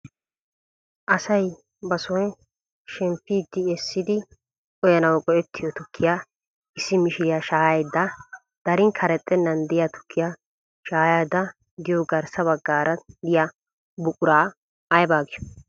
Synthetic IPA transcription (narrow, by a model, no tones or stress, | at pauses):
ʔɐsɐj | bɐsɔj | ʃɛmpːiːd̪ːɪɛsːɪd̪ɪ | ɔjɐnɐwkʼɔʔɛt̪ʰːɪjɔt̪ʊkʰːɪja | ɪsːɪmɪʃɪɾɪjaʃaːjɐjd̪ːɐ | d̪̥ɐɾɪŋkʰɐɾɛt̪ʼːɛnːɐnd̪ɪjat̪ʊ̥kʰːɪja | ʃaːjad̪ɐ | d̪ɪjɔɡɐɾsɐβɐɡːaːɾɐd̪ɪja | bʊkʼʊɾaː | jbaːɡɪʃɔ̥